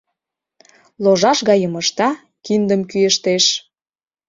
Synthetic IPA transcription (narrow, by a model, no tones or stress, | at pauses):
loʒɑʃɣɑjəməʃt̪ɑ | kind̪əmkyjeʃt̪eʃ